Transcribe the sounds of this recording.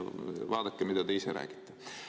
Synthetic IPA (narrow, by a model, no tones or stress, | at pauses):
ʋɑːd̪ɑkːemid̪æt̪eiseɾæ̰ːɡ̥i̥t̪ːe̥